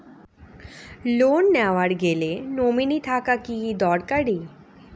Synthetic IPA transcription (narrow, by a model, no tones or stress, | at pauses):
lonːɛʋaɽɡelenominit̪ʰakakijid̪ɔɽkəɽiː